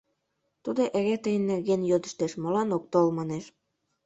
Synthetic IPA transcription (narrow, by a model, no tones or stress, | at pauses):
t̪ud̪oʔeɣet̪əjənːerɣenjod̪əʃt̪eʃmolɑnok̚t̪olmɑneʃ